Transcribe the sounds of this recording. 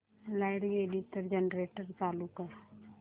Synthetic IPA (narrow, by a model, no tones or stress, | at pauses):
laɪɽeliʈəɾd͡ʒənɾeːʈəɾt͡ʃaːlukəɾ